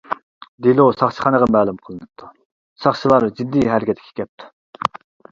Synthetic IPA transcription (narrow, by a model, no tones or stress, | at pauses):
d̪ilusɑχt͡ʃʰə̥χɑnəʁɑmæːlˠumqʰəlˠɨnɨp̚t̪ʰu | sɑχt͡ʃʰilˠɑɾd͡ʒid̪ːijɦæɾɡʲʰɛt̪ʰkʲʰi̥kʲʰɛp̚t̪ʰu̥